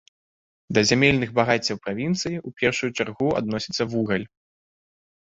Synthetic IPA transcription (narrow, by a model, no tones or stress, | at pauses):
d̪ɐzʲamʲɛlʲnɨɣbaɣat͡sʲːɐwpɾavʲint̪sɨjiʔupʲɛrʂujut͡ʂarɣua̰d̪̚nɔsʲit̪sːɐvuɣɐlʲ